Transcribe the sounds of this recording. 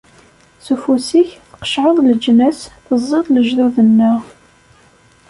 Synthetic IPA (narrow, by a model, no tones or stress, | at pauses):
sufusiçθqə̥ʃʕəðˤləd͡ʒːnæsθəzˤːeðˤləʒðuðənːəʁ